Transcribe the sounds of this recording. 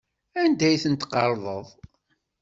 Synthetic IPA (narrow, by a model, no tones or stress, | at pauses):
ænd̪æjθənt̪qːɑɾˤðˤəðˤ